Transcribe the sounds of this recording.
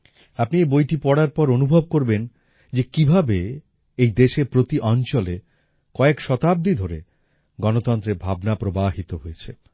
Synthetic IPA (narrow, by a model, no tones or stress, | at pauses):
apniebojʈipɔɽaɾpɔɾonubʱob̚koɾben | d͡ʑekibʱabe | ejd̪eʃeɾpɾot̪iʔɔnt͡ɕole | kɔekʃɔt̪ab̚d̪id̪ʱoɾe | ɡɔnot̪ɔnt̪ɾeɾbʱabnapɾobaɦit̪oɦojet͡ɕʰe